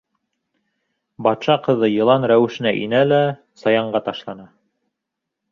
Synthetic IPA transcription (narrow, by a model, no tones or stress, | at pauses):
bɑt̪ʃɑqɤ̆ðɤjɤ̆lˠɑnɾæwɘ̆ʃɘ̆næʔinælæ | sɑjɑɴɢɑt̪ɑʃlˠɑnɑ